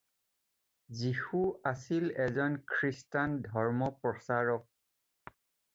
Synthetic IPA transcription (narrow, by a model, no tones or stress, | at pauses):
zixuasilɛzɔnkʰɹistandʱɔɹmɔpɹɔsaɹɔk̚